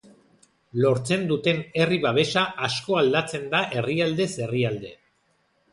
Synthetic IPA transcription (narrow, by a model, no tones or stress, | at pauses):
lo̞ɾt͡se̞nd̪ut̪e̞ne̞riβaβe̞ʃaʔasko̞ald̪at͡se̞nd̪aʔe̞riald̪e̞se̞riald̪e̞